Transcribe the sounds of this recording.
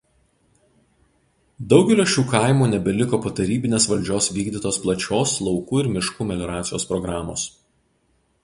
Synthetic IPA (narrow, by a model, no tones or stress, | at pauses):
d̪ɒʊɡʲɛlʲoːʃʲuːkɑˑɪmuːnʲɛbʲɛlʲɪkoːpoːt̪ɐɾʲiːbʲɪnʲeːsʋɐlʲd͡ʒʲoːsʋʲiːɡd̪ʲit̪oːsplˠɐt͡ʃʲoːslˠɒʊkuːɪɾmʲɪʃkuːmʲɛlʲɔːɾɑːt̪sʲɪjoːspɾɔɡɾɑːmo̰ːs